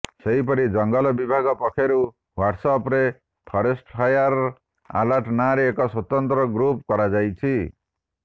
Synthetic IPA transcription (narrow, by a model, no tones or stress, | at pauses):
seɦip̬ɔɾid͡ʒɔŋɡɔlɔbibʱaɡɔpɔkʰeɾu | waʈsɔpɾe | pʰɔɾesʈpʰajaɾ | a̰laɾʈnaɾeːkɔswɔt̪ɔnt̪ɾɔɡɾup̚kɔɾad͡ʒajt͡ʃʰi